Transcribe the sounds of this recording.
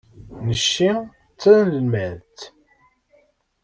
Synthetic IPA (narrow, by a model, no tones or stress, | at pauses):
nəʃːi | t͡sːæðnləlmæɾt̪